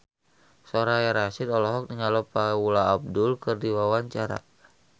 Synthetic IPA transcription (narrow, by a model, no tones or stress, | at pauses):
sɔɾaaɾasidɔlɔɦɔk̚niŋalɔpawulaːb̚dulkɨrdiwawaɲt͡ʃaɾa̰